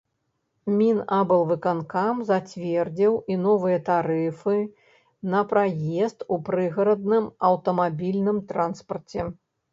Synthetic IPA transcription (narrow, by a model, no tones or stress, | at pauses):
mʲinabɨlˠvɨkankamzat͡sʲvʲɛrd͡zʲiwinɔvɨjɐt̪aɾɨfɨ | nɐpɾajɛst̪upɾɨɣɐɾɐd̪̚nɨmɐwt̪ɐmabʲilʲnɨmt̪ɾanspɐrt͡sʲɛ